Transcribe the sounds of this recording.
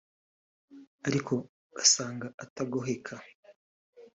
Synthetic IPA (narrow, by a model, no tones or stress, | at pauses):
aɾikʰo̞ | ɡ̥asaːŋɡaataɡoɦe̞kʰa